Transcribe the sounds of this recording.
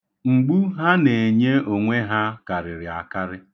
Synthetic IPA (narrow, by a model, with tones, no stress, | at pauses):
ŋ͡m̩˨ɡ͡bu˦ɦa˦ne˨e˨ɲe˦o˨ŋʷe˦ɦa˦ka˨ɾɪ˨ɾɪ˨a˨ka˦ɾɪ˦